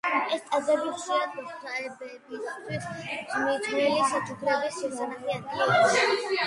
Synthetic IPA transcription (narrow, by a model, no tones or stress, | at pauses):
ɛst̪sʼazɛbiχʃiat̪t̪ʰaɛbɛbist̪ʰwismit̪ʰnɛlisat͡ʃʰʼukʰɾɛbisːɛsʰanaχiad̪̚ɡ̪ilɔɛ